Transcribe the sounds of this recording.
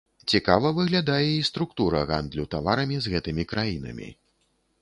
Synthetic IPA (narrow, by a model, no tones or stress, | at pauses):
t͡sʲikavɐvɨɣlʲad̪ajɛist̪ɾukt̪uɾɐɣand̪lʲut̪avaɾɐmʲizɣɛt̪ɨmʲikɾajinɐ̰mʲḭ